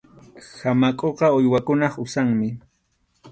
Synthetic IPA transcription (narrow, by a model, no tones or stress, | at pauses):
hamakʼoqɑʊjwakʊnɑχʊsaŋmɪ